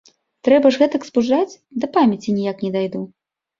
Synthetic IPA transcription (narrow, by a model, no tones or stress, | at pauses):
t̪ɾɛbɐʐɣɛt̪ɐksbuʐat͡sʲ | d̪ɐpamʲɐt͡sʲinʲijaknʲɛd̪ajd̪u